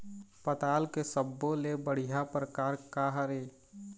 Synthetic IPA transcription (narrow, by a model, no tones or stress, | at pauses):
pət̪aːlkesəbːolebəɽ̤ijapɾəkaːɾkaːɦəɾeː